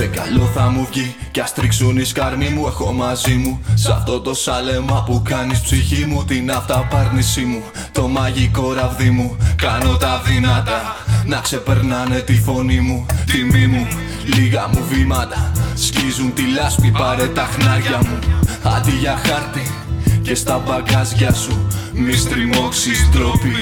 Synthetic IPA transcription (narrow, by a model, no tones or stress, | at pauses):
ekɐ̰lo̞θɐmuvʝicɐst̪ɾiksoniskɐɾmimuexo̞mɐzimusɐ̰ft̪o̞t̪o̞sɐle̞mɐpukɐnispsiçimut̪inɐft̪ɐpɐɾnisimu | t̪o̞mɐʝiko̞ɾɐvðimukɐno̞t̪ɐvimɐt̪ɐnɐkse̞pe̞ɾnɐne̞t̪ifo̞nimut̪imimu | liɣɐmuvimɐt̪ɐscizunt̪ilɐspipɐɾe̞t̪ɐxnɐɾʝɐmuɐd̪iʝɐxɐɾt̪i | ce̞st̪ɐbɐɡɐzʝɐsumist̪ɾimo̞ksist̪ɾopi